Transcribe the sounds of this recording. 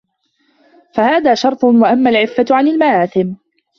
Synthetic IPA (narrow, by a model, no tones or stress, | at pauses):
fahaːðaːʃɑɾˤt̪ˤʊnwaʔamːaːlʕɪfːat̪ʕanɪlmaʕaːθɪm